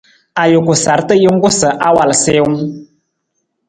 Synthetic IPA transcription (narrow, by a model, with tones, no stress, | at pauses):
a˨jo˨kʊ˨sa˨ɾtə˦jɪ˦ŋ˦kʊ˦sə˨ʔa˦wa˨lsɪː˦wʊ˦ŋ